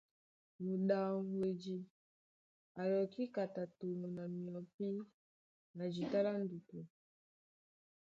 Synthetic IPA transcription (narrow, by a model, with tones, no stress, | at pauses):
mu˨ɗa˨hwe˨d͡ʒi˨ | a˨jɔ˨ki˦ka˨ta˨to˨mo˨na˨mi˨ɔ˨pi˦ | na˨d͡ʒi˨ta˦la˦n˦du˨tu˨